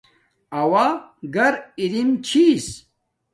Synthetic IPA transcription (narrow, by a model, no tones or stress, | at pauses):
ɐwaɡɐɾiɾimt͡ɕʰis